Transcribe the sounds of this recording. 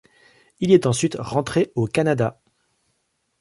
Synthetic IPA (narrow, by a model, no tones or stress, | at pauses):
ilɛt̪ɑ̃sɥit̪ʁɑ̃t̪χeokanad̪a